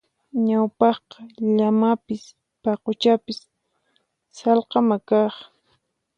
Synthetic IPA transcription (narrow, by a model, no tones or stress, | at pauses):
ɲawpɑχqɑʎamapɪs | pɑqʊt͡ʃapɪs | sɑlqɑmakɑχ